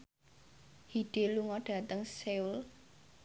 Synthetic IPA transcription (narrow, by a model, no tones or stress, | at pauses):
hiɖ̥e̤luŋɔɖ̥ä̤t̪əŋseul